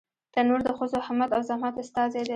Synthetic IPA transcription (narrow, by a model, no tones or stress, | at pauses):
d̪̥ənoɾd̪əxəzohamad̪awzamɑt̪ʊst̪ɑzed̪e